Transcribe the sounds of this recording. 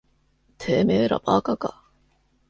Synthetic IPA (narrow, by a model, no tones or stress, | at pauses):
t̪ʰeːmeːɾa̰bakaka̰